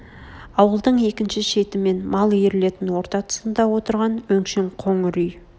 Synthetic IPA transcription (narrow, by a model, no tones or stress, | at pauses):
ɑwəlˠd̪əɴe̞kʲɪnʃɪʃe̞t̪ɪme̞nmɑlˠjeɾɪle̞t̪ɪnwo̞ɾt̪ɑt̪ʰə̥sənd̪ɑwo̞t̪əɾʁɑnwɵŋʃeŋqʰo̞ɴɾyj